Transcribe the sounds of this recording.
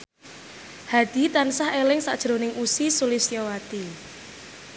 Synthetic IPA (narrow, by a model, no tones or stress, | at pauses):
had̪̥i̤t̪ansahelɪŋsaʔd̥ʒ̥ɾo̤nɪŋʔusisulisijowat̪i